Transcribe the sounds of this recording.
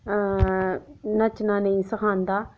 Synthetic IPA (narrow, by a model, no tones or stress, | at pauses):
nət͡ʃnãːnə̃ĩːsəkʰãːnd̪aː